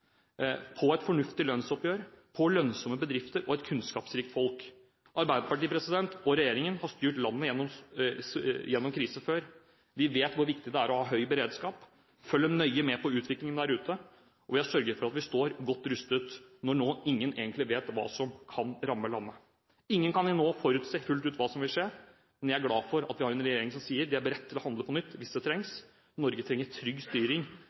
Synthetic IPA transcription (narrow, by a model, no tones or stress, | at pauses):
pʰɔɛt̪fɔɳʉft̪ɪlœnsɔpjøːɾpʰɔlœnsɔməbəd̪ɾɪft̪əɾʔɔɛt̪kʰʉnskɑːpsɾiːkt̪fɔlk | ʔɑɾbæɪd̪əpɑʈiːpʰɾɛsɪd̪ɛnt̪ɔɾɛjeːɾɪŋənhɑst̪yːʈlɑnːəjɛnːɔm | jɛnːɔmkʰɾiːsəføːɾ | ʋɪʋeːt̪ʋʊɾʋɪkt̪ɪd̪ɛæːɾɔhɑːɦœʏbəɾeːd̪skɑːp | fœlːənœʏəmɛpʰɔʉːt̪ʋɪklɪŋənd̪æɾʉːt̪ə | ʔɔʋɪhɑsœɾɡəɾfɔɾɑt̪ʋɪst̪oːɾɡɔt̪ːɾʉst̪ət̪nɔɳoːɪŋːənʔḛːɡənt̪lɪʋeːt̪ʋɑ̰ːsɔmkʰɑnɾɑmːəlɑnːə | ɪŋːənkʰɑnɪnoːfɔɾʉːt̪sefʉlt̪ʉːt̪ʋɑːsɔmʋɪlʂeːɾ | mɛnjæɪæɾɡlɑːfɔɾɑ̰t̪ʋɪhɑɾɛnɾɛjeːɾɪŋsɔmsiːəɾd̪ɛæbəɾɛt̪ʰːɪlɔhɑnd̪ləpʰɔnʏt̪ːʋɪsd̪ɛt̪ʰɾɛŋs | nɔɾɡət̪ʰɾɛŋːəɾʈʰɾʏɡːst̪yːɾɪŋ